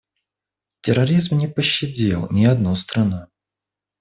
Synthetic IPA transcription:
tʲɪɾɐɾʲizmnʲɪpəɕːɪdʲḛlˠnʲɪɐd̪nust̪ɾɐnu

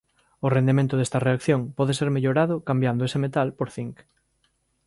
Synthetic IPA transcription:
ʊrend̪emẽnt̪ʊðest̪ɐreakθjõŋpɔðeseɾmeʎoɾaðʊkambjand̪oesemet̪alpoɾθiŋk

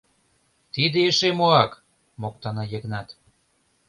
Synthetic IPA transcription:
t̪id̪ĕeʃemoɑk | mok̚t̪ɑnɑjĕɣnɑt̪

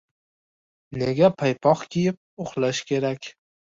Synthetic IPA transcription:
ne̞ɡʲapʰajpʰɒqkʲʰijɪp̚oχlaʃkʲʰe̞ɾakʲ

